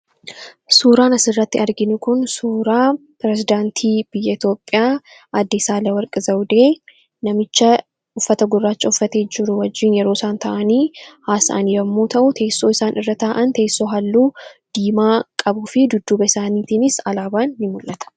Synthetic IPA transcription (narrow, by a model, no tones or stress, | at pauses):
suːɾaːnɐsɪrːɐt̪ːɪɐɾɡɪnʊkʊnsuːɾaːpɾɛzɪd̪aːnt̪ʰiːb̥ɪjːɐɪt̪jo̞ːpʼːɪjaː | ʔɐd̪ːesaːlɐwɐɾkʼɪzɐwd̪eː | nɐmɪt͡ʃːɐ | ʊfːɐt̪ɐɡʊrːaːt͡ʃːɐʊfːɐt̪e̞ːd͡ʒɪɾʊwɐd͡ʒːɪːnjɛɾoːsaːnt̪ɐʔɐniːhaːsɐ̰ʔɐnjɐmːuːt̪ɐʔʊt̪ʰe̞ːsːo̞ːɪsaːnʔɪrːɐt̪aːʔɐnt̪e̞ːsːo̞ːɦɐlːuːd̪̥iːmaːkʼɐbuːfɪd̪ʊd̪ːuːbɐɪsaːniːt̪iːnɪsɐlaːbaːnːɪmʊlʔɐt̪ɐ̥